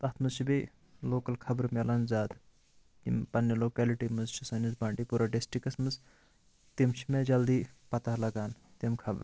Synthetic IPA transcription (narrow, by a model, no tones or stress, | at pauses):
t̪ɐt̪ʰmɨzt͡ʃʰibi | loːkɐlkʰɐbɾmelɐnzaːd̪ | ḭmpɐnjɐloːkɛːliʈiːmɨzt͡ʃʰisɐnizbãːɳʈiːpuːɾaːɖisʈikɐsmɨz | t̪imt͡ʃʰimed͡ʒɐld̪iːpɐt̪ɐɦlɐɡaːnt̪imkʰɐbɾ